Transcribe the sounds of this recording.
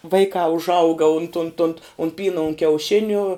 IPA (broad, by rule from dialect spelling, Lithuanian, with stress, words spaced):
ˈʋɐɪkɑː ʊʒˈɐʊɡɐ ʊnt ʊnt ʊnt ʊn ˈpʲiːnɐ ʊn kʲɛʊˈʃʲɪnʲuː